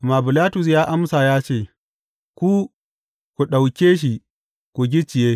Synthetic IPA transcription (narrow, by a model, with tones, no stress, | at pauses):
maː˨bʊ˨laː˦tʊ˨s̬jaː˦ʔa˦msa˨jaː˦t͡ʃeː˦˨ | kʷu˦ | kʷu˨ɗa˨wkʲeː˦ʃ̬i˨ | kʷu˨ɡʲɪ˦t͡ʃɪ˨jeː˦